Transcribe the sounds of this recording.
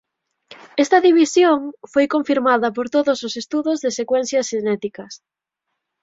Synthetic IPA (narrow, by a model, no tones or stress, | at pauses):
ɛst̪ɐðiβisjoŋfojkoɱfiɾmaðɐpoɾt̪oðososest̪uðʊzðesekwɛn̟θjɐsʃenɛt̪ikɐs